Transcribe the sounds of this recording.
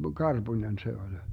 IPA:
kɑrb̥unʲen se olʲ

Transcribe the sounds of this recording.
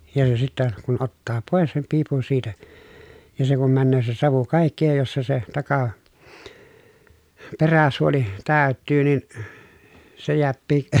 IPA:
jɑ jo sitːæ kun otːɑː poˑes sem piːpun siːtæ jɑ se kum mænːøː se sɑʋu kɑˑikːi jɑ jos se se tɑkɑ peræsuoli tæˑy̞tˑyː nin se jeæpːiː

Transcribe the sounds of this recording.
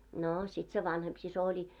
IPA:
noː sit se ʋɑnhemp sis olʲi

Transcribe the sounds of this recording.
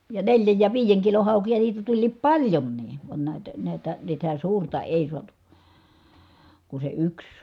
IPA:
jɑ neljæj jɑ ʋiːjeŋ kilon̞ hɑˑukijɑ niːtæ tulʲliːp pɑlʲjonːiː ʋɑn næˑitæ næˑitæ sitæ suːrtɑ eˑi suɑtu ku se yks

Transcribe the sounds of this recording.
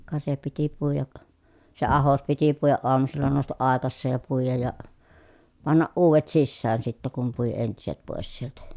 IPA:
kɑ se piti puijɑk se ɑhos piti puijɑʔ ʔoɑmusilːɑ noˑustɑʔ ʔɑˑekɑsːeːj jɑ puijɑj jɑ pɑnːɑʔ ʔuːʋet sisːæːn sitːæ kum pui entiset poˑes sieltæ

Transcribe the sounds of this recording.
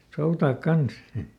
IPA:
soutɑːk kɑns

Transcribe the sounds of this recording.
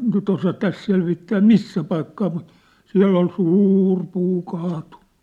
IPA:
nyt osɑ tæs selʋitːæː misːæ pɑikːɑː mut siæ̝lː ol suːr puː kɑːtun̥ːu̥

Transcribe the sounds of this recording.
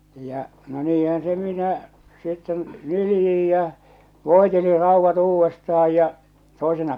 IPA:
jɑ no niːhæn se minæ sitːen nyljij jæ̠ ʋoˑeteli rɑˑuʋːɑt uːʋːestɑh̞ɑj jɑ toˑesenɑ

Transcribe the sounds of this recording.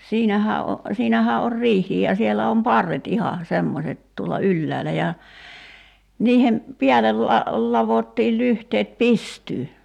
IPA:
siːnæhæ o siːnæhæː or riːhˑiːj jɑ sielæ om pɑrːet ihɑ semːoset tuolɑ ylːæːlæ jɑ niːhem piælel lɑ lɑʋotːiːl lyhteːt pistyː

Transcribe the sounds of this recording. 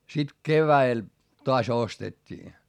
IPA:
sit keʋæel toɑs ostetʲːiː

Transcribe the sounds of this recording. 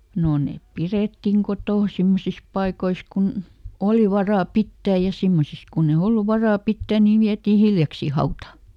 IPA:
no neˑp pireˑtːiŋ kotoˑn̞ simːosis pɑikois kun oli ʋɑrɑˑ pitːæːj jɑ simːosis kunːe olːu ʋɑrɑˑ pitːæˑ niʋ ʋiætiː hiljɑksiː hɑutɑ

